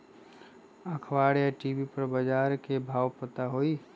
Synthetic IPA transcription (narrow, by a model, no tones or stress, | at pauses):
əkʰʋaːɽjaʈiːbipəɾbəd͡ʒaːɾkebʱaːwpət̪aɦoːiː